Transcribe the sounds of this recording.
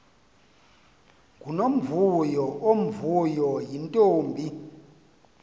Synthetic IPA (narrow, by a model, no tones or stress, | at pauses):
ɡʱunom̩vujɔʔom̩vujɔjintʼoːmbʱi